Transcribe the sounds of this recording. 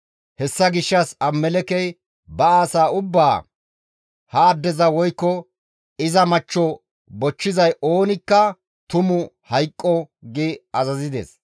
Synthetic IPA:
hɛsːɐɡɪʃːɐsɐmːɛlɛkɛj | bɐaːsaːʊbːaː | hɐːd̪ːɛzɐwɔjkːɔ | ɪzɐmɐt͡ʃːɔ | bɔt͡ʃːɪzɐjʔoːnɪkːɐ | t̪ʊmʊhɐjkʼːɔɡɪɐzɐzɪd̪ɛ̰s

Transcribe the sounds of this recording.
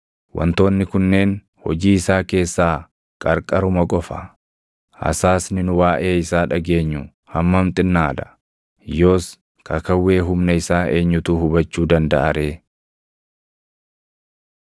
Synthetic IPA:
wʔɐ̰nt̪o̞ːnːɪkʊnːe̞ːn | hɔ̰d͡ʒiːɪsaːke̞ːsːaː | kʼɐɾkʼɐɾʊmɐkʼɔfɐ | ɐ̰saːsnɪnʊwaːʔe̞ːɪsaːᶑɐɡe̞ːɲːʊ | hɐmːɐmt̪ʼɪnːaːd̪ɐ̥ | jo̞ːs | kɐkɐwːe̞ːɦʊmnɐɪsaːeːɲːʊt̪uːhʊbɐt͡ʃːuːd̪ɐnd̪ɐ̰ʔɐɾʔe̞ː

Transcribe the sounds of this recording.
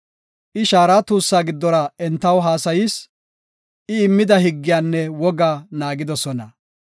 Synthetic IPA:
ʔɪʃaːɾaːt̪uːsːaːɡɪd̪ːɔɾɐɛnt̪ːɐwɦaːsɐjɪs | ʔɪɪmːɪd̪ɐhɪɡːɪjaːnːɛwɔɡaːnaːɡɪd̪ɔsɔnɐ

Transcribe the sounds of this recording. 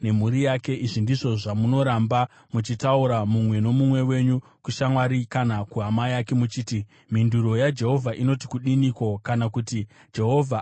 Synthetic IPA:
ne̞muɾijake̞ʔiʐindiʐo̞ʐamuno̞ɾamba | mut͡ʃitauɾamumwe̞no̞mumwe̞we̞ɲu | kuʃamwaɾikanakuɦamajake̞mut͡ʃiːti | minduɾo̞jad͡ʒe̞ɦo̞vʱaʔino̞ti̥kuɗiniko̞kanakuti | d͡ʒe̞ɦo̞vʱa

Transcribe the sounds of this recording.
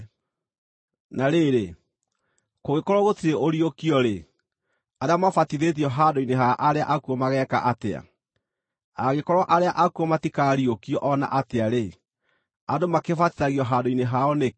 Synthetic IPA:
naɾeɾe | koɣekɔɾɔɣotiɾeʔoɾiokiɔɾe | aɾeamafatiðeðiɔɦadoineɦaʔaɾeaʔakuɔmaɣɛːka̰ʔatea̰ | aɣekɔɾɔʔaɾeaʔakuɔmatikaːɾiokiɔʔɔna̰ʔateaɾe | adomakefatiðaɣiɔɦadoineɦaɔne

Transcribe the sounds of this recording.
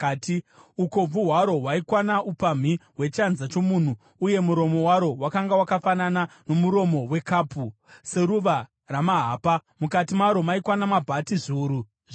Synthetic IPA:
tiuko̞b͡vuɦwaɾo̞ɦwaikwanaupam̤iwe̞t͡ʃanzat͡ʃo̞muːn̤u | uje̞muɾo̞mo̞waɾo̞wakaŋɡawakafananano̞muɾo̞mowe̞kaːpu | se̞ɾuʋa | ramaɦaːpamukatimaɾo̞maikwanamabʱatiʐuːɾu

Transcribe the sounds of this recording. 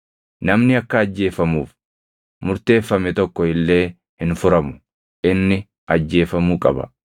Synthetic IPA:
nɐmnɪɐkːɐːd͡ʒːe̞ːfɐmuːf | mʊɾt̪e̞ːfːɐmɛt̪ɔkːɔɪlːe̞ː | hɪnfʊɾɐmʊ̥ | ʔɪnːɪ | ɐd͡ʒːe̞ːfɐmuːkʼɐ̰bɐ̰

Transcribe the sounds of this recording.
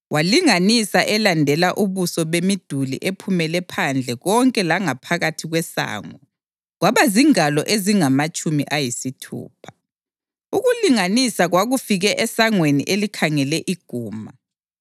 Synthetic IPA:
waliŋanisaʔɛlandʱɛlaʔuβusɔβemid̥ʱulḭʔepʰumɛlɛpʰand͡ɮʱɛɣɔŋkʼɛlaŋapʰaɣatʰiɣwɛsa̰ːŋɔ | ɣwaβaziŋalɔʔeziŋamat͡ʃʼumḭʔajisitʰṵːpʰḁ | uɣuliŋanisaɣwaɣufiɣɛʔɛsaŋwenḭʔelikʰaŋɛlɛʔiɡ̥ʱuːma

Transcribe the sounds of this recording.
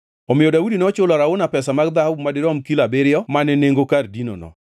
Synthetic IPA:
ɔmɪjɔdaudinɔt͡ʃʊlɔɾaʊnapɛsamaɡd̪ahabmadɪɾɔmkilabeɾɪjɔmanɛneŋɡokardino̰nɔ̰

